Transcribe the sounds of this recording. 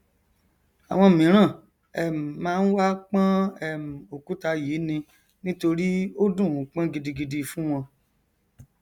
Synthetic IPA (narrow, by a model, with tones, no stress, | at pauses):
a˨w̃ɔ̃˧˨mĩ˨˦ɾ̃ã˦˨ | ɛ˨m̩˨mãː˦˧n̩˦wa˦k͡pã˦ɛ˦˨mũ˨o˨ku˨˦ta˧jiː˨˦nĩ˧ | nĩ˦to˧ɾi˦o˦dũ˦˨k͡pã˦ɡi˧di˧ɡi˧di˧fũ˦w̃ɔ̃˧